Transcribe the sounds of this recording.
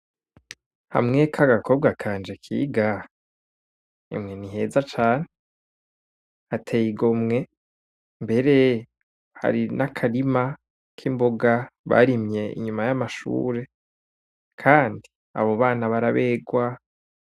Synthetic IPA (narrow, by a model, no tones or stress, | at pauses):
ha̰mŋekʰaɡakʰo̞b̚ɡakʰaːnd͡ʒe̞kʰḭːɡa | ḭmŋeniɦe̞zat͡ʃaːne | atʰejiɡomŋe̞ | mbe̞ɾe̞ | ha̰ɾinakʰaɾima | kʰimboɡaβa̰ɾimɲe̞ḭɲumajamaʃṵːɾe̞ | kʰaːndi | a̰βo̞βaːnaβaɾaβeːɡwa